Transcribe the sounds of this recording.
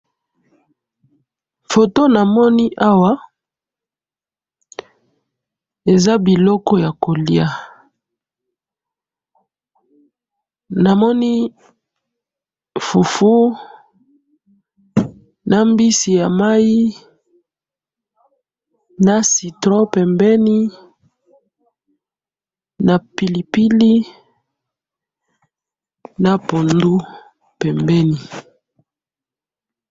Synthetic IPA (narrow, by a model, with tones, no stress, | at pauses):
fo˨to˦na˨mɔ˦ni˦ʔa˦wa˦ | e˨za˦bi˨lɔ˦kɔ˦ja˨ko˨li˦a˦ | na˨mɔ˦ni˦ | fu˨fu˦ | na˦mbi˦si˨ja˨ma˦i˦ | na˦si˨tɾo˦pɛ˨mbɛ˦ni˦ | na˨pi˨li˨pi˦li˦ | na˦po˨ndu˦ | pɛ˨mbɛ˦ni˨